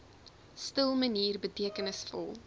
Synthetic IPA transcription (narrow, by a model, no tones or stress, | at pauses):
stəlˠməniːrbətiəkənəsfɔ̰lˠ